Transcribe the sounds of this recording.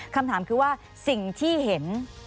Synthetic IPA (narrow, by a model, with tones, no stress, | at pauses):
kʰa˧mt̪ʰaː˩˦mkʰɯː˧waː˥˩ | si˨˩ŋt̪ʰiː˥˩he˩˦n